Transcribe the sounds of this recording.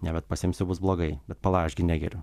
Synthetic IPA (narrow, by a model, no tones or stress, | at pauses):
nʲɛbʲɛt̪pɐsʲɪmʲsʲʊbʊsblˠoːɡɐɪbʲɛt̪pɐlˠɑːʃʲɡʲɪnʲæːɡʲɛɾʲʊ